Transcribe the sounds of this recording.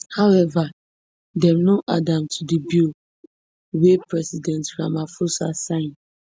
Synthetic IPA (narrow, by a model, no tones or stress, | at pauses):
haʊɛva | dɛmnoʔadãmtʰudibil | wepɹɛsidɛ̃ntɹãmafosasãɪ̃n